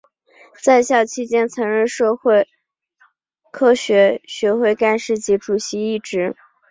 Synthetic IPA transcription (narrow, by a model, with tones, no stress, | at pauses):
t͡sa˥˧ɪɕjɑ˥˩ʊt͡ɕʰi˥˧t͡ɕjɛ˥nt͡sʰɤ˧˥ŋɻə˥˧nʂɤ˥˧xwe˥˩ɪ | kʰɤ˥˧ɕɥɛ˧˥ɕɥɛ˧˥xwe˥˧ɪka˥˧nʂɻ̩˥˩t͡ɕi˧˥ʈ͡ʂu˨˩ɕi˧˥i˥˩ʈ͡ʂɻ̩˧˥